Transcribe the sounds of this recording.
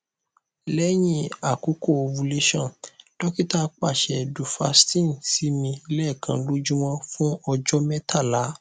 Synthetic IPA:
lɛ˦j̃ĩ˦a˨ku˨˦ko˦˨o˨˧vu˧le˦ʃã˦˨d̥ɔ˦ki˦ta˦k͡pa˦˨ʃɛ˨du˨fa˧stĩ˦˨n˨si˦nĩ˧˦lɛ˦˨kʰã̰˧˦lo˦d͡ʒũ˦wɔ̃˦fũ˦ɔ˧d͡ʒɔ˦mɛ̃˦tʰa˦˨la˨˦

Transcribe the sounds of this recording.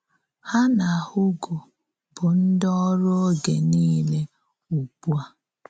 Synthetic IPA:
ha˦na˨a˨hʊ˦ɡo˨ | bʊ˨n̩˦dɔ˦ɔ˦ɾo˦ɡe˨niː˦le˦ | u˨k͡pu˦a˦

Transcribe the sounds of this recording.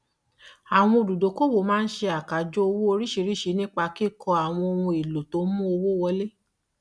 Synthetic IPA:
a˨w̃ɔ̃˧o˨du˨do˨˦ko˦wo˨˦mãː˦n̩˦ʃe˧a˨ka˨d͡ʒo˦o˧wo˦o˧ɾi˦ʃi˧ɾi˦ʃi˧˦nĩ˦k͡pa˧ki˦˨kʰɔ˧a˨w̃ɔ̃˧o˧wũ˧e˨lo˨to˨˦mũ˦o˧wo˦wɔ˧le˦

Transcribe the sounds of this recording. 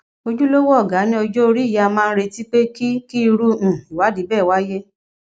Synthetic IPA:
o˧d͡ʒu˦lo˦wɔ˦ɔ˦˨ɡa˨˦nĩ˦ɔ˧d͡ʒo˦o˧ɾi˦i˦˨ja˧mãː˦˧ñ̩˦ɾe˧ti˦k͡pe˦ki˦ki˦i˧ɾũ˦˨i˨wa˨˦di˨˦bɛː˦˨wa˦je˦

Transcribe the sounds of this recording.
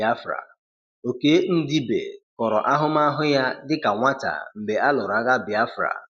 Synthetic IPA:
a˦fɾa̰˨ | o˨ke˦n̩˦di˦bḛ˨kɔ˨ɾɔ̰˨ʔa˦ɦʊ˦ma˦ɦʊ˦ja˦dɪ˦ka˨ŋʷa˦ta̰˨m̩˨be˨ʔa˦lʊ˨ɾa˨˦ɣa˦bɪ˨a˦fɾa̰˨

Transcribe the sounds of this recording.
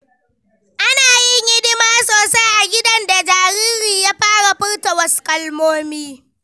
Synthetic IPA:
ʔa˦naː˨jɪ˦ŋɡɪ˦dɪ˦maː˦soː˨sa˦jʔa˨ɡʲɪ˦dɐ˦nda˨d͡ʒaː˨ɾiː˦ɾiː˨jaː˦ɸaː˦ɽa˨ɸɪ˦ɽtɐ˨wɐ˦skʼɐ˦lmoː˦miː˦

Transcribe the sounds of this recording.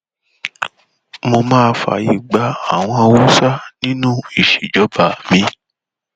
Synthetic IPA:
mo˧mãː˦˧fa̰˨ji˨ɡ͡ba˧˦a˦˨w̃ɔ̃˧wu˦sa˦nĩ˦nũ˦i˦˨ʃe˨d͡ʒɔ˨˦ba˨mĩ˧

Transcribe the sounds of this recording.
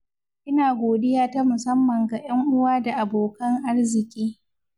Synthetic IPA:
ʔɪ˦naː˨ɡʷoː˨dɪ˦jaː˦ta˦mʊ˨sɐ˦mːɐ˨ŋɡa˨j̰ɐ˦ŋʔʊ˦waː˦da˨ʔa˨boː˨kɐ˦ŋʔa˦rzɪ˨kʲʼiː˦

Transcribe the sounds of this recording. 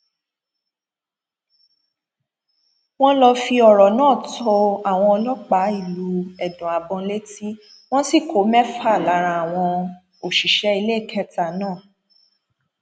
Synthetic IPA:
w̃ɔ̃˦lɔ˧fi˧ɔ˨ɾɔ˨nãː˦˨tʰɔ˧a˨w̃ɔ̃˧ɔ˧lɔ˦k͡pa˨˦i˦˨lu˨˦ɛ˨dũ˨a˨bɔ̃˧˦le˦ti˦ | w̃ɔ̃˦si˦˨kʰo˨˦mɛ˦fa˦˨la˨˦ɾ̃ã˧a˨w̃ɔ̃˧ | o˨ʃi˨ʃɛ˨˦i˧le˦˨kʰɛ˦ta˦˨nãː˦˨

